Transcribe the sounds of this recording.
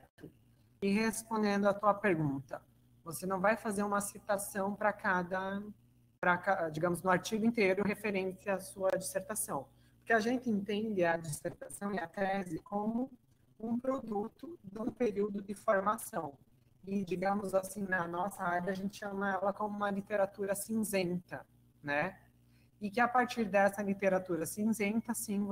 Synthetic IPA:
t̪ʊ | ɪɦespõnd̪ẽnd̪ʊat̪uɐpeɾɡũnt̪ɐ | vosenɐ̃w̃vajfazeɾũmɐsit̪asɐ̃w̃pɾɐkad̪ɐ | pɾɐkad͡ʒiɡɐ̃mʊznʊaɾt͡ʃiɡʊẽnt̪eɾʊɦefeɾẽsɪaːsuɐd͡ʒiseɾt̪asɐ̃w̃p | poɾkeaʒẽnt̪ɪẽnt̪ẽnd̪ɪɐd͡ʒiseɾt̪asɐ̃w̃ɪat̪ɾɛzɪkõmʊ | ũpɾod̪ut̪ʊd̪ũpeɾiwd̪ʊd̪ɪfoɾmasɐ̃w̃ | ɪd͡ʒiɡɐ̃mʊzasĩnɐnɔsɐaɾɐaʒẽnt͡ʃ̪ɪ̥ʃɐ̃mɐɛlɐkõmʊũmɐlit̪eɾat̪uɾɐsĩzẽnt̪ɐ | nɛ | ɪkɪapaɾt͡ʃiɾd̪ɛsɐlit̪eɾat̪uɾɐsĩzẽnt̪ɐsĩ

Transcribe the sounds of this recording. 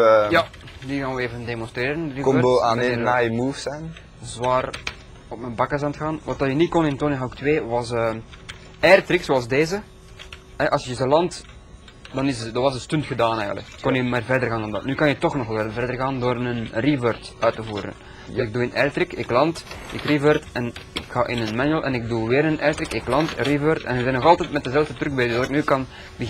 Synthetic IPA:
jadiɣaːnʋəeːvəndeːmɔnst̪ɾeːɾənrikɔoanajmuːfsɛjn | zwaːr | ɔp̚mənbɑkəzaːntəxaːnʋɑtɑjənikɔnɪntonɪɦawktweːʋɑsəː | ɛrtɾɪksolˠzdeːzə | ɦɛʔɑlsjəzəlɑnt | d̥ɑnɪsdɑnʋɑsənstʏntxədaːnɛːjɣə̰lə̰kːɔnjəmaːrvɛrdərɣaːndɑndɑ̰tnyːkɑnjətɔxnɔxɪvɛrdərɣaːndoːrnənrivørtœːtəvuːɾə̰n | dsɪɡ̚duːɪnɛrtɾɪkɪklɑntɪkrivərtɛnɪkxaːʔɪnənmanyəlˠʔɛnɪɡ̚duʋɪːɾənʔɛrtɾɪkɪklɑntrivørtɛ̰nəzɛnɔɣɑlˠtɛtmɛt̚dəzɛlvdətɾɵkɡbeːdʏzdɑtɪknykɑn | bə

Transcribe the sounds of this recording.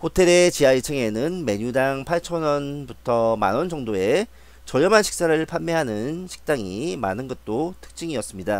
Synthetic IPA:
hotʰe̞ɾe̞t͡ɕiait͡ɕʰeŋe̞nɯnme̞ɲudaŋpʰaɭt͡ɕʰʌnʌnbutʰʌma̰nond͡ʑʌŋdoe̞ | t͡ɕʌʎjʌmɦanɕʰik̚s͈aɾɯɭpʰanmːeɦanɯnɕʰi̥k̚t͈aŋima̰nɯnɡʌt̚t͈otʰɯ̥k̚t͡ɕ͈iŋiʌs͈ɯmɲida

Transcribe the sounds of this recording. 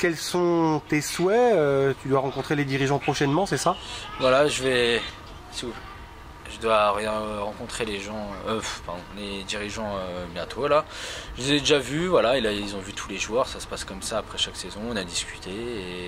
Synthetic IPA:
kʲɛlsɔ̃t̪eswɛøt̪yd̪waʁɑ̃kɔ̃t̪χeled̪iʁiʒɑ̃pχɔʃɛnmɑ̃sɛsavwalaʒəvɛ | siu | ʒəd̪waʁjɛ̃ʁɑ̃kɔ̃t̪χeleʒɑ̃øfpaʁd̪ɔ̃led̪iʁiʒɑ̃øbjɛ̃t̪ʰolaʒəuzɛd̪eʒavyvwalaelailzɔ̃vyt̪ʰuleʒwœʁsasə̥paskɔmsaːpχɛʃaksezɔ̃ɔ̃nad̪iskʲy̥t̪ʰee

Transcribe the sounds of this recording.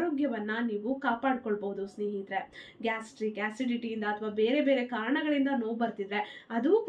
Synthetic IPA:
ɾo̞ːɡjɐʋɐnːɐniːʋukaːpaːɽkoɭboɦud̪usneːɦit̪ɾe̞ɡaːsʈɾiɡaːsiʈiʈijind̪ɐːt̪ʰʋaːbe̞ːɾe̞be̞ːɾe̞kaːɾɐɳɐɡɐɭind̪ɐnoːbɐɾt̪id̪ɾe̞ɐd̪u

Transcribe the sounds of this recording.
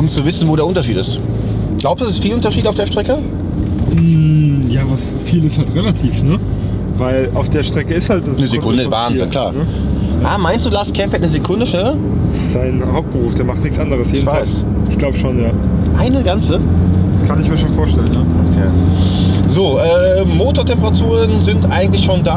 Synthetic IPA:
ʔʊmt͡suvɪsn̩voːɾeːɐʊntɐʃiːtɪstɡ̥laʊpsd̥u̥ːasɪstfiːlʊntɐʃiːtaʊfd̥eːɐʃtʁ̥ɛkə | mm̩jaːvas | fiːlɪshaltʁelatʰiːfnə | vaɪla̰ʊfd̥eːɐʃtʁ̥ɛkəɪsthalt̚d̥asnəzekʰʊndəvaːnzɪnkʰl̥aːɐn | ʔʔaːmaɪnstd̥uːlaːskʰɛmfətnəzekʰʊndəʃnɛlə | ɪsz̥aɪnhaʊp̚t̚b̥əʁuːfd̥eːɐmaχtnɪçkt͡sʔa̰ndəʁəsjeːdnv̥faaːɪs | ʔɪçɡ̥laʊbəʃoːnjaːʔaɪnəɡant͡səkʰanɪçmiːɐʃoːnfoːɐʃtɛlənə | okʰḛː | zoːʔɛː | moːtoːɐtʰɛmpəʁatʰuːʁənzɪntʔaɪɡŋ̩tlɪçʃoːndaː

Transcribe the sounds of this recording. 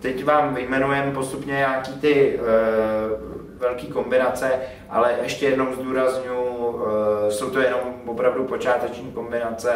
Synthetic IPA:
t̪ɛcvaːmvɪjmɛnujɛmpo̞st̪upɲɛɲaːkiːt̪ɪ | vɛlkiːko̞mbɪnat͡sɛ | ʔa̰lɛʔɛʃcɛjɛdno̞wzd̪uːɾazɲujʊ | so̞wt̪ojɛno̞mvopɾavdupot͡ʃaːt̪ɛt͡ʃnɲiːko̞mbɪnat͡sɛ

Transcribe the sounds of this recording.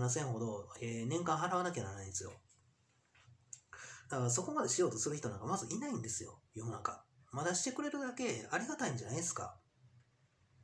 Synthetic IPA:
nas̬ẽ̞ɰ̃ɦo̞d̪o̞enẽ̞ŋkãɰ̃ɦaɾaβanakeanaɾnaĩd̪esɨjo̞̰ | d̪akaso̞ko̞mad̪e̞ɕijo̞ːt̪o̞sɨɾɯ̟çi̥t̪o̞nãŋkamazɨinaĩnd̪e̞sɨjo̞̰jomɯnãŋkamad̪aɕi̥t̪e̞kɯ̟ɾe̞ɾɯ̟d̪ake̞aɾʲiɡat̪aĩɲ̟d͡ʑanaid̪esɨ̥ka̰

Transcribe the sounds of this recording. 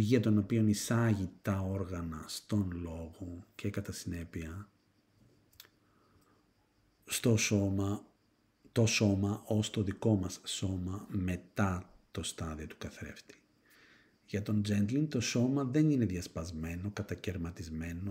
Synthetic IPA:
ʝiɐt̪o̞no̞pio̞nisɐʝit̪ɐoɾɣɐnɐst̪o̞nlo̞ɣocʰe̞kɐt̪ɐsine̞piɐ | st̪ooɐ | t̪o̞so̞mɐʔo̞st̪o̞ðiko̞mɐsːo̞mɐme̞t̪ɐt̪o̞st̪ɐðio̞t̪u̥kɐθɾe̞̰ft̪i̥ | ʝɐt̪o̞nd͡ze̞nt̪lint̪o̞so̞mɐðe̞nine̞ðʝɐspɐzme̞no̞kɐt̪ɐce̞ɾmɐt̪izme̞no

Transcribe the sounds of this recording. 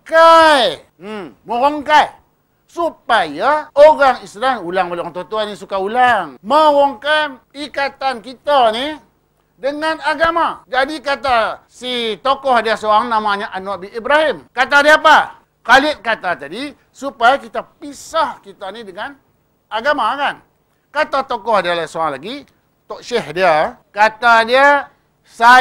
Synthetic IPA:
kaj̩ | məɣɔŋkaj | supajaoɣaŋislanulaŋbəlaŋt̪ot̪uanĩsukaulaŋməɣɔŋkaj | ikat̪ankit̪ani | dəŋanaɡamad͡ʒadikat̪asit̪okɔhdiasoaŋnamaɲaʔanoabiʔːbɾahɪmkat̪adiapa | kalɪʔkat̪at̪adi | supajakit̪apisahkit̪anidəŋan | aɡamakan | kat̪at̪okɔhdialasoaŋlaɡi | t̪ɔʔʃɛɦdiakat̪adia | sa

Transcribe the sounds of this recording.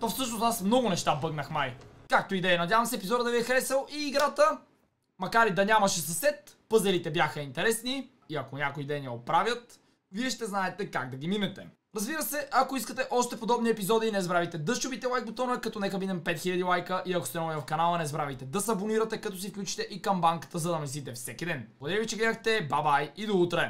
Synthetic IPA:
t̪ofsɤʃnosasmnɔɡʊnɛʃt̪abɤɡnɐxmajkak̚t̪oid̪ɛjɐnɐd̪ʲjavɐmsɛːpizɔd̪əd̪ɐviɛxɾɛsɛlˠiːɡɾat̪ə | mɐkaɾid̪ɐnʲamɐʃɛsɐsɛt̪̚pɤzɛlit̪ɛbjaxɐint̪ɛɾɛsni | iɐkonʲakʊid̪ɛjniɛopɾavjət̪ | viɛʃt̪ɛznaɛt̪ɛkaɡ̚d̪ɐɡiminɛt̪ɛ | ɾɐzbiɾəsɛʔɐkoiskət̪ɛʔɔʃt̪ɛpod̪ɔbniɛpizɔd̪inɛzbɾavit̪ɛd̪əʃt͡ʃobit̪ɛlˠajk̚bot̪onɐkɐt̪ɔnɛkəmid̪ɛmpɛt̪xilʲɐd̪ilˠajkəʔiɐko̥st̪ɛnɔivɐfkɐnalˠɐnɛzbɾavit̪ɛd̪ɐsɐboniɾɐt̪ɛkɐt̪ɔsifklʲut͡ʃi̥t̪ɛʔikɐmbaŋkə̥t̪əzɐd̪ɐmɛsit̪ɛfsɛkid̪ɛnbˠd̪ɛɾivit͡ʃɛɡlɛd̪əxt̪ɛbabajid̪out̪ɾɛ

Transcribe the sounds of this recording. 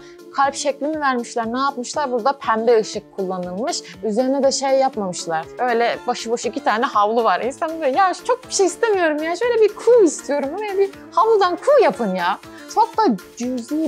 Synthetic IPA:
kʰalʲpʃɛclʲinivæɾmiʃlʲˠæɾnaːpmɯʃlˠaɾbuɾd̪apʰænd̪ɛɯʃɯkʰːulˠːanɯlˠmɯʃ | yze̞ɾinɛd̪ɛʃejjapmamɯʃlˠaɾ̥ø̞jlʲɛbaʃɯbaʃuicit̪ʰaːnɛɦavlˠuvaɾʔinsanjat͡ʃʰo̞k̚bi̥ʃejist̪ʰemijo̞ɾumjaːʃø̞jlʲɛbikʰuːist̪ʰijo̞ɾumabi | havlˠud̪ankʰuːjapʰɯnjaː | t͡ʃʰok̚d̪ad͡ʒyzi

